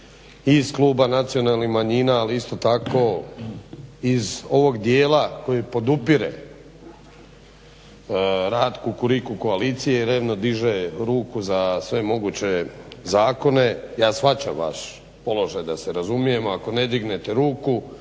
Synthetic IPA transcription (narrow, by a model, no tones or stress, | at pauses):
iz̥kluːbanat̪sio̞nalnixmaɲiːnaːliist̪o̞t̪ako̞ | izo̞ʋo̞ɡd̪jeːlako̞jipo̞d̪upiɾḛ | ɾaːd̪kukuɾikuko̞aliːt̪sijeiɾeːʋno̞d̪iʒeɾuːkuzasʋe̞mo̞ɡut͡ɕe̞zaːko̞ne̞jaːsfat͡ɕa̰mʋa̰ʃ | po̞lo̞ʒajd̪aseɾazumije̞moako̞ne̞d̪iɡne̞t̪e̞ɾuːku